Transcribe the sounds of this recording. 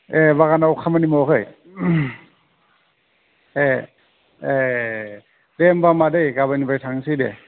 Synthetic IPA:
ebaɣanawkʰamanimɔɦɯj | e | e | dembamadɯjɡabanibajtʰaŋsɯdḛ

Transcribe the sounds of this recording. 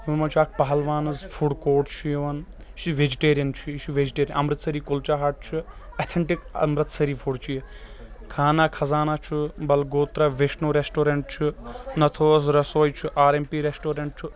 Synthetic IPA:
jiʋɐmɐt͡ʃʰaːk̚ʰpɐɦɐlʋaːnɐzfʰuɽkoːʈt͡ʃʰujiʋɐn | t͡ʃʰiʋed͡ʒiʈeːɾijɐnt͡ʃʰut͡ʃʰuʋed͡ʒiʈeːɾʲijnɐmɾɨt̪sɐɾiːkult͡ʃaːɦɐʈ̚t͡ʃʰuɐt̪ʰeɳʈikɐ̰mɾɨt̪sɐɾiːpʰuɽt͡ʃʰujikʰaːnakʰɐzaːnat͡ʃʰubɐlɡoːt̪ɾɐʋeʃnoɾesʈoːɾeɳʈ̚t͡ʃʰunɐt̪ʰoːzɾɐsoːjt͡ʃʰuʔaːɾempiːɾesʈoːɾeɳʈ̚t͡ʃʰu

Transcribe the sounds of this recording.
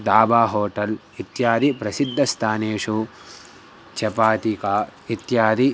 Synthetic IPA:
d̪aːbaːɦoːʈɐl | it̪jaːd̪ipɾɐsid̪ʱːɐst̪ʰaːneːʂu | t͡ʃɐpaːt̪ikaːit̪jaːd̪i

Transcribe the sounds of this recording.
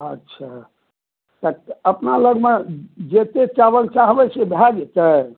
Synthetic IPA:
ətːʃʰa | t̪əəpnaləɡmed͡ʒet̪et͡ʃabəkt͡ʃaɦbɛt͡ʃʰebʱaɡet̪ə

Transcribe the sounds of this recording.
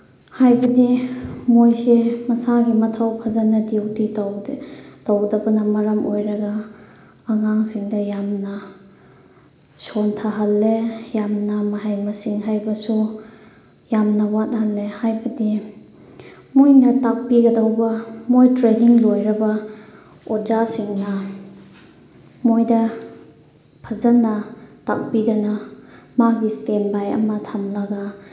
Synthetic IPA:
hajbɐdimojsemɐsaɡimɐtʰawpʰazanɐdewdi | tawdɐbɐnɐmɐɾɐmojɾɐɡɐː | ŋaŋsiŋdɐjamnɐ | sontʰaɦɐlːejamnɐmɐɦajmɐsiŋɦajbɐsu | jamnɐwat̚halːehajbɐdi | mojnɐtak̚piɡɐdawbɐmojtɾeniŋlojɾɐbɐ | ɔɾzasiŋnɐ | mojdɐ | pʰazɐnːɐta̰k̚pidɐnɐmaɡistenbajɐ̰mɐtʰamlɐɡa

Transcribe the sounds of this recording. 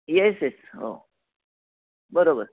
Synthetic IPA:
jɛsjɛso̰ː | bəɾoːbəɾ

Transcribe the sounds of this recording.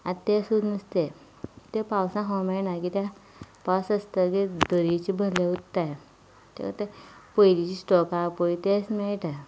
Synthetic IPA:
at̪esud̪nəst̪e | t̪epawsãɦɔmenakit̪ja | pawsəst̪əkid̪əɾit͡ɕibʱəleut̪ːaj | t̪ḛkə̰t̪epəjlit͡ɕisʈɔkapoit̪esmeɭʈa

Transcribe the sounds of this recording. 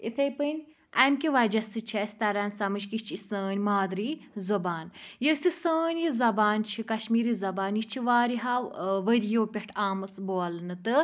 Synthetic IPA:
ḭt̪ʰɐjpɨnʲ | ɐmkʲiʋɐd͡ʒɐsɨt͡ʃʰɐsʲt̪ɐɾaːnsɐmɨt͡ʃkit͡ʃʰisəːnʲmaːd̪ɾiːzɐbaːnjəsʲisəːnʲjizɐbaːnt͡ʃʰikɐʃmiːɾizɐbaːnjit͡ʃʰiʋaːɾiɦaːʋəɾijoːpʲeʈʰaːmɨt͡sboːlɨnɨt̪ɨ

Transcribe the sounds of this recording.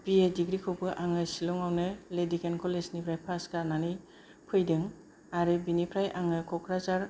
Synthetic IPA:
piediɡɾikʰɯwbɯʔaŋɯsilɔŋawnɯledikʰenkʰɔlesnipʰɾajpʰaskaɾnani | pʰɯjdɯŋ | aɾɯbinipʰɾajʔaŋɯkʰɔkʰɾazaɾ

